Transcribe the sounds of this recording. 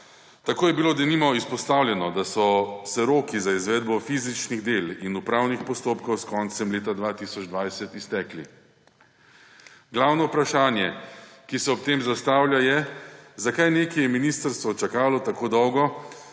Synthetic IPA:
t̪akoːjɛbiloːd̪ɛnimɔispɔst̪aːwlʲjɛnɔd̪asɔsɛɾoːkizaizʋɛːd̪̚bɔfiːzit͡ʃniɣd̪elinupɾaːwnixpɔst̪oːpkɔwskɔnt̪sɛmleːt̪ad̪ʋat̪isɔd͡ʒd̪ʋajsɛt̪ist̪ɛːkli | ɡlawnɔupɾaʃaːnjɛkisɛɔp̚t̪eːmzast̪aːwlʲjajɛzakajneːkɛjɛminiːst̪əɾst̪ʋɔt͡ʃakaːlɔt̪akoːd̪ɔwɡɔ

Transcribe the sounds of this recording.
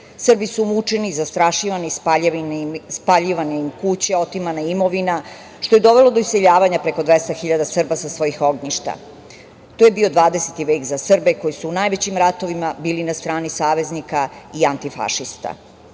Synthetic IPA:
sr̩bisumut͡ʂenizast̪ɾaʃiʋanispaʎinspaʎiʋanemkut͡ɕeo̞t̪imanaimo̞ʋina | ʃt̪o̞jed̪o̞ʋe̞lod̪o̞iseʎaːʋaɲapɾe̞ko̞d̪ʋe̞st̪axiʎad̪asr̩basasʋo̞jixo̞ɡɲiʃt̪a̰ | t̪oje̞bio̞d̪ʋaːd̪eset̪iʋeːkzasr̩beko̞jisuːnajʋet͡ɕimɾat̪o̞ʋimabiːlinast̪ɾaːnisaːʋe̞znikaiant̪ifa̰ʃist̪a̰

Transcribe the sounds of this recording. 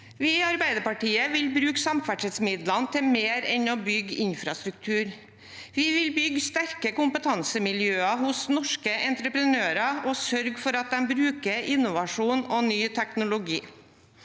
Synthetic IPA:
ʋɪɪɑɾbæɪd̪əpɑʈiːəʋɪlbɾʉːksɑmfæʈʂɛt̪smɪd̪lɑnt̪ʰɪmeːɾɛnoːbʏɡɪɲfɾɑst̪ɾʉk̚t̪ʰʉːɾ | ʋɪʋɪlbʏɡst̪æɾkəkʊmpət̪ʰɑnsəmɪljøːɑhʊsnɔʂkəʔɛnt̪ɾəpɾənøːɾɑosœɾɡfɔɾɑt̪̚d̪ɛmbɾʉːkəɾʔɪnːʊʋɑʂuːnonyːt̪ʰæknʊlʊɡiː

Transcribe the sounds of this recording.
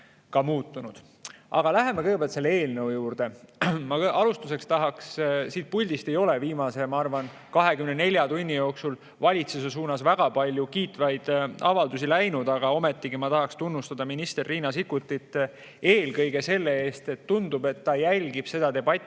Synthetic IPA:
kɑmuːt̪ːunud̪̥ | ʔɑ̰ɡ̥ɑlæɦe̞mekɯjɡ̥ebelt̪se̞lːee̞ːlnewjuːrd̪̥e̞mɑɑlust̪use̞kst̪ɑɦɑkssiːt̪̚pulʲd̪ist̪e̞jo̞leviːmɑse̞mɑɑrvɑn | kɑɦe̞kymnene̞lʲjɑt̪unʲːijo̞ːksul | vɑlʲit̪sus̬e̞s̬uːnɑsvæɡ̥ɑpɑlʲjukiːt̪ˑvɑjd̪̥ɑvɑld̪usilæjnud̪ɑɡɑo̞me̞t̪ːiɡ̥imɑt̪ɑɦɑkst̪unːust̪ɑd̪̥ɑminist̪e̞rːiːnɑsikːˑut̪ːˑit̪ːˑ | e̞ːlkɤjɡ̥e̞se̞lːee̞ːst̪e̞t̪ːund̪̥ube̞t̪ːɑjælʲɡib̥se̞d̪ɑd̪e̞bɑt̪ʲːˑ

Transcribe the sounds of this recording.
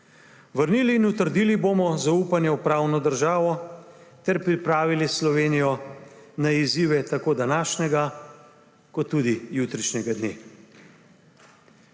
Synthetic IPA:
ʋəɾniːliːnut̪əɾd̪iːliboːmɔzauːpanjɛwpɾaːwnɔd̪əɾʒaːʋɔ | t̪ɛɾpɾipɾaːʋilislɔʋeːnijɔnaiziːʋɛt̪akoːd̪anaːʃnɛɡa | kɔt̪ːud̪ijut̪ɾit͡ʃnʲɛɡad̪neː

